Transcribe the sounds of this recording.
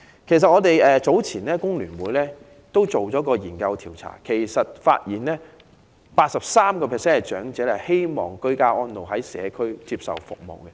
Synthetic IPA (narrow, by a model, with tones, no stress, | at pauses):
kʰe˨˩js̬ɐ˨t̚ŋɔː˨˧t̪e˨jɛː˨t͡so˨˥wt͡sʰiː˨˩nlɛː˥kʊ˥ŋlyː˨˩nwuː˨˥jlɛː˥ | t̪o˥wt͡so˨˩wt͡sɔː˨˥kɔː˧jiː˨˩nkɐ˧wt̪ʰiː˨˩wt͡sʰa̰ː˨˩kʰe˨˩jsɐ˨t̚fa̰ː˧t̚jiː˨˩nlɛː˥ | paː˧t̚sɐ˨p̚saː˥mkɔː˧pʰɛː˨˩sɛː˥nɛ˨˩t͡ʃœː˨˥ŋt͡sɛː˨˥lɛ˨˩he˥jmɔ̰ː˨ŋkɵ˥ɥkaː˥ʔɔː˥nlo˨wɦɐ˨˥jsɛ̰ː˨˧kʰɵ˥ɥt͡siː˧p̚sɐ̰˨wfʊ̰˨k̚mo̰˨wkɛ˧